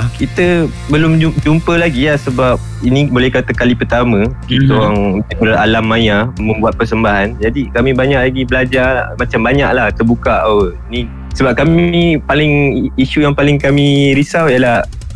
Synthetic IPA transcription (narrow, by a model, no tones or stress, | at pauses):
kit̪ə | bəlʊmd͡ʒud͡ʒumpəlaɡijahsəbap̚ | inĩbolɛhkat̪akalipərt̪amə̃kit̪əjaŋət̪ikəɾaalamːãjamə̃mbuat̪̚pərsəmbaɦand͡ʒadikamĩbaɲaʔ̚laɡibəlad͡ʒa̰mat͡ʃambaɲa̰ʔlaht̪əbukaʔaəini | səbap̚kamĩpalɪŋiʃujaŋpalɪŋkamĩɾisawjəlah